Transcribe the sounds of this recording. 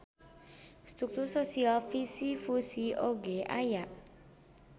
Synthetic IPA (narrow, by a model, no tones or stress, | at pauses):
st̪ɾuk̚t̪ursosialfisifusioɡeʔajaʔ